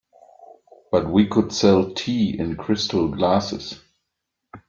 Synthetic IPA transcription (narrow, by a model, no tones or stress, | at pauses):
b̥ʌt̚wikʰʊd̥sɛlˠtʰiːɪ̰̃nkʰɹ̥ɪstʰl̩ˠɡlæsɨ̰s